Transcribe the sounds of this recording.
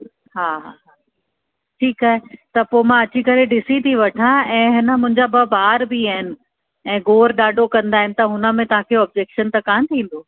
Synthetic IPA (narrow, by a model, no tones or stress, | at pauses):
ɦaːɦaɦaː | ʈʰiːkaːɦet̪ɐpoːmãɐt͡ɕikɐɾeɖɪsit̪ʰiʋɐʈʰãɛ̃ːɦɪnəmʊ̃ɦɪ̃ɲd͡ʑabɐbaːɾbiaːɦɪnɪ̆ | ɛ̃ːɡoːɾɗaːɖʱokɐ̃nd̪aːɦɪnɪ̆t̪ɐɦʊnə̆mẽt̪ɐʋ̤ãkʰeoɐːb̚d͡ʑeːkʃənt̪ɐkãːt̪ʰĩːn̆d̪oː